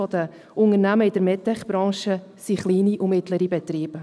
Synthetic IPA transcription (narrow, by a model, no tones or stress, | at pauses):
ɔd̪ə | ʊŋəɾnæməɪd̥əɾmɛt̪ːɛχb̥ɾɑ̃ːʃə | siχliːniʔʊmɪt̪ləɾibɛt̪ɾiːbə